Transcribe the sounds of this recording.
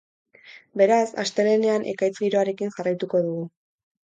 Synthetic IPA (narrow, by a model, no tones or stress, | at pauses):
be̞ɾasa̰st̪e̞le̞ne̞anʔe̞̰kajt͡sɡiɾo̞aɾe̞kinʝarajt̪uko̞ðuɣu